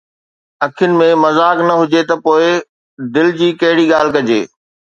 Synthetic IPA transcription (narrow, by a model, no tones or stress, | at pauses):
ɐkʰijʊnɪ̆mẽmɐzaːknɐɦʊd͡ʑet̪ɐpoːɪ | d̪ɪld͡ʑiːkɐɦɪɽiɠaːlɪkɐd͡ʑḛː